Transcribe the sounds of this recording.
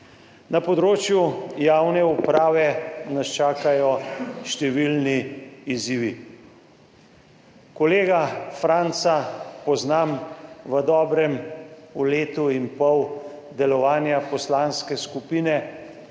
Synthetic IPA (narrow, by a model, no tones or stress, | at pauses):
napɔd̪ɾoːt͡ʃjujaːwnɛupɾaːʋɛnast͡ʃaːkajɔʃt̪ɛʋilniiziːʋi | kɔleːɡafɾant̪sapɔznamʋəd̪ɔːbɾɛmuleːt̪uimpɔw | d̪ɛlɔʋaːnjapɔslanskɛskupiːnɛ